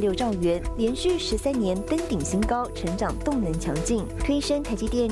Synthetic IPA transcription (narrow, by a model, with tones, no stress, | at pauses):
ljo˥˧ʊʈ͡ʂɑ˥˩ŋɥɛ˧˥nljɛ˧˥nɕy˥˩ʂɻ̩˧˥sæ˥nnjɛ˧˥nt̪ə˥nt̪i˨˩ŋɕi˥ŋkɑ˥ʊʈ͡ʂʰɤ˧˥ŋʈ͡ʂɑ˨˩ŋt̪ʊ˥˩ŋnə˧˥ŋt͡ɕʰjɑ̰˧˥ŋt͡ɕi˥˩ŋt̪ʰwe˥ɪʂə˥nt̪ʰa˧˥ɪt͡ɕi˥t̪jɛ˥˧˩n